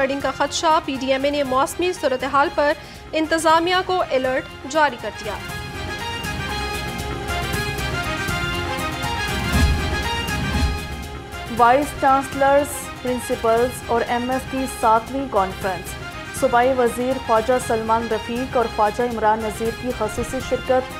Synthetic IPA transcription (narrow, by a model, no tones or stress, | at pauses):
əɖɪ̃ŋɡkaxɐt̪ʃapiːɖiːɛːmenemɔːsmisuːɾət̪eɦaːlpɐɾ | ɪ̃nt̪ɪzaːmijakoʔɪləɾʈ | d͡ʒaːɾikɐɾd̪ija̰ː | ʋaːɪst͡ʃãːnsləɾz | pɾɪ̃nsɪpəlzɔːɾɛmɛfʈisaːt̪ʰʋĩkɔːnfɾə̃nsː | ʊbaːiʋɐziːɾfaːd͡ʒasɐlmãːnɾɐfiːkɔːɾfaːd͡ʒaɪmɾaːnʋɐziːɾkixɐsuːsiʃɪɾkət̪̚